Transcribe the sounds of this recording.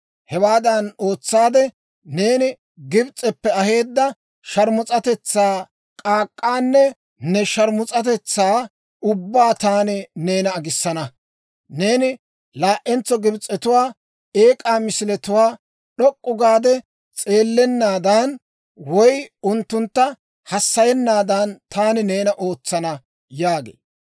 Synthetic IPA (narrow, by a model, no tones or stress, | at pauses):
hɛwaːd̪ɐno̞ːt͡sːaːd̪ɛ | neːnɪ | ɡɪbt͡sʼːɛpːɛɐhe̞ːd̪ːɐ | ʃɐɾmʊt͡sʼɐt̪ɛt͡sːaː | kʼaːkʼːaːnːɛ | nɛʃɐɾmʊt͡sʼɐt̪ɛt͡sːaː | ʊbːaːt̪aːnɪne̞ːnɐːɡɪsːɐnɐ | ne̞ːnɪ | laːʔɛnt͡sːɔɡɪbt͡sʼːɛt̪ʊwaː | e̞ːkʼaːmɪsɪlɛt̪ʊwaː | ɗɔkʼːʊɡaːd̪ɛ | t͡sʼe̞ːlːɛnːaːd̪ɐn | wɔjʊnt̪ːʊnt̪ːɐ | hɐsːɐjɛnːaːd̪ɐnt̪aːnɪne̞ːnɐʔoːt͡sːɐnɐ | jaːɡḛː